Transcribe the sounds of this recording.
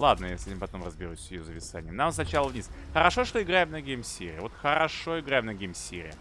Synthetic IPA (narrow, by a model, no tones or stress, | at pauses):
lˠad̪nəjeslʲɪmɪpɐt̪o̞mrəzbʲɪɾusʲɪjozəpʲɪt̪sa̰nʲɪjəmnamsnɐt͡ɕalˠəvnʲisxəɾɐʂo̞ʂt̪oɪɡɾajɪmnɐɡʲejmsʲḛɾʲɪ̰əvo̞t̪xəɾɐʂo̞ɪɡɾajɪmnɐɡʲejmsʲḛɾʲɪ̰ə